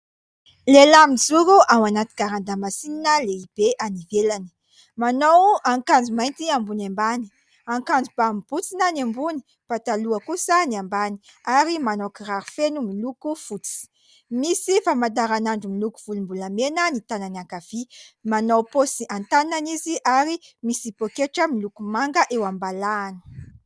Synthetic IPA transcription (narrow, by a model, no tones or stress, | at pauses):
lelamid͡zuɾuʔawanat̪i̥kaɾand̪amasininəleib̥eʔanivelani̥ | manawaŋkand͡zumajnt̪iambunambani̥ | aŋkand͡zubamib̥ut͡sinanambuni̥ | pat̪aluəkusəniambani̥aɾimanawkiraɾufenumilukufut͡si̥ | misifamad̪aɾanaɳɖ͡ʐumiluku̥v̥ulumbulamenənit̪ananiakav̥imanawposiant̪ananiziʔaɾimisipokeʈ͡ʂəmilukumaŋɡəʔewambalaːnə̥